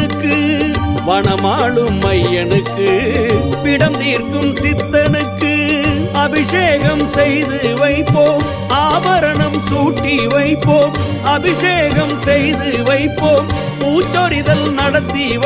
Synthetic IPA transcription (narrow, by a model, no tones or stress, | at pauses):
ɯkːɯʋɐɳɐmaːɭɯmːɐjɐnɯkːɯ | pɪɽɐnd̪iːrkɯmsɪt̪ːɐnɯkːɯɐbɪʂeːɣɐmsɛjðɯʋɐɪpːoː | aːbɐɾɐɳɐmsuːʈːiʋɐɪpːoː | ɐbɪʂeːɣɐmsɛjðɯʋɐɪpːoː | puːt͡ʃːoɾɪðɐlnɐɽɐt̪ːi